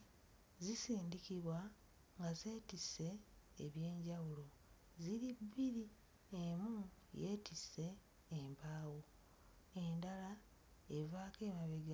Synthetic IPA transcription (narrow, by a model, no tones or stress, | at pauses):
zisiːndikiβwa | ŋɡaze̞ːtise̞̰ːβje̞ːɲɟawulo̞ | ziɾibːiɾi | emu | je̞ːtise̞ː | mpaːwo | e̞ndala | evaːke̞ːmaβeɡa